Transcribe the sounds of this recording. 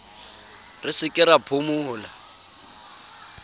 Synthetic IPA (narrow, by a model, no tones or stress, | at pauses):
rɪsɪkʼɪɾapʰʊmʊːla